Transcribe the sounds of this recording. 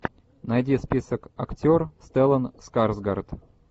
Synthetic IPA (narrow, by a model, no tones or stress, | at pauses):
najdʲispʲisəkaktʲorst̪ɛlˠənskarzɡart̪